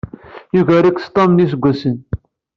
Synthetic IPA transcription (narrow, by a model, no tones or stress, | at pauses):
juʝæɾikst̪ˤːɑmnis̬əɡʷːæsən